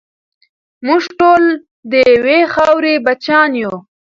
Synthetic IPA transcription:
muʐʈol | d̪əjwexɑwɾebat͡ʃɑːnju

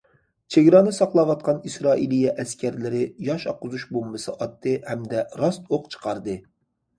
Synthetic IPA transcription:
t͡ʃʰeɡʲɾɑnɨsɑqlˠɑwɑt̪̚qʰɑnisɾɑːʔilijɛʔɛskʲæɾlɪɾɪjɑʃɑqʊzuʃbombɨsɨʔɑt̪ːɨhɛmd̪ɛɾɑst̪oqt͡ʃʰə̥qʰɑɾd̪ɨ

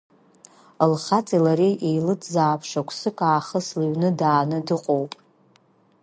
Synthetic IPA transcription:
əlχat͡sʼilaɾejʔejlɨtʰʼzaːpʰʂakʷʰsɨkʼaːχəslɨɥnɨdaːnɨdɨqʼowpʼ

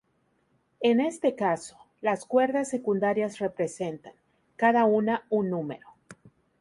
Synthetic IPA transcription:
ene̞st̪e̞kaso | laskwe̞ɾðasːe̞kund̪aɾjasre̞pɾe̞se̞nt̪aŋ | kaðaunaunːume̞̰ɾo̞

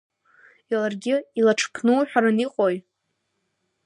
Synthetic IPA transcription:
ilarɡʲɪilaʈ͡ʂʰpʰnɨwħᶣaɾaniqʼoj

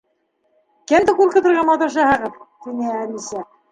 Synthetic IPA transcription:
kæmd̪ɘkulʲˠkɤ̆t̪ɤ̆ɾʁɑnmɑt̪uɾʃ̬æɦɤ̆ʁɤðt̪inɘæmisæ

